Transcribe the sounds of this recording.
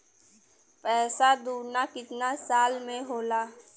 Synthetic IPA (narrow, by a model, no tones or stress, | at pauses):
pɛːsad̪uːɾnakɪt̪nasaːlmẽɦoːlaː